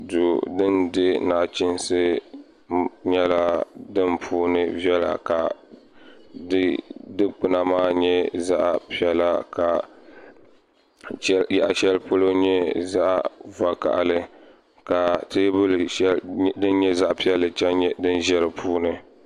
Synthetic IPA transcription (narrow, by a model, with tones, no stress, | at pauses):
du˨dɨ˦ndɪ˦naː˨t͡ʃɪ˦nsɨ˦ | ɲɛ˦la˦dɨ˦npʰuː˦nɨ˦vjɛ˦la̰˨ka˨ | dɨ˦dɨ˦k͡pɨ˨na˨maː˦ɲɛ˦za˦ʔpi˦ɛ˦la˦ka˨ | ja˨ʔa˨ʃɛ˦lpo˦lo˦ɲɛ˦za˦ʔva˨ka̰˨ʔlɨ˦ | ka˨tɨ˦bɨ˦ldɨ˦n˦ɲɛ˦za˦ʔpi˦ɛ˦lːɨ˦t͡ʃɛ˦nɲ˦dɨ˦nʒɛ˦ɾɨ˨pʰuː˦nɨ˨